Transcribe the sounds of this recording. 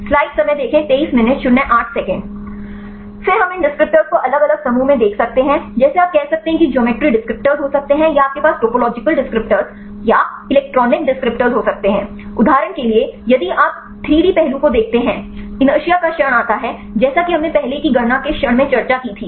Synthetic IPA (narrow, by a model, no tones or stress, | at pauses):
slaːɪɖsɐməjd̪eːkʰẽt̪eːiːsmɪnəʈʃʊɽɦɛ̃ʔaːʈʰsɛːkə̃ɳɖ | fɪɾɦɐmɪ̃nɖɪskɾɪp̚ʈəɾz̥koʔɐləɡɐləɡsɐmũmẽd̪eːkʰsɐk̚t̪eɦɛ̃d͡ʒɛːseaːp̚kɛɦsɐk̚t̪eɦɛ̃kid͡ʒɔːmeːʈɾiɖɪskɾɪp̚ʈəɾzɦosɐk̚t̪eɦɛ̃jaaːp̚kepaːsʈoːpolɔːd͡ʒɪkəlɖɪskɾɪp̚ʈəɾz | ja | ɪlɛːk̚ʈɾɔːnɪk̚ɖɪskɾɪp̚ʈəɾzɦosɐk̚t̪eɦɛ̃ː | ʊd̪ʱaːɾəɽ̃keliejɐd̪iʔaːp̚ | t̪ʰɾiːɖipɛɦlũkod̪eːk̚ʰt̪eɦɛ̃ːɪ̃nɐʃijakaʃəɽ̃aːt̪aɦɛ | d͡ʒɛːsakiɦɐmnepɛɦlekiɡɐnakeʃəɽ̃mẽt͡ʃɐɾt͡ʃakit̪ʰiː